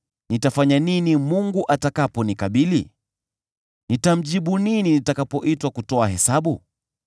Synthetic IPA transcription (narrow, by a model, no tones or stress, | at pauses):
nitafaɲaninimuŋɡuʔatakapɔnikaɓili | nitam̩ʄiɓunininitakapɔʔitwakutɔaɦɛsaɓu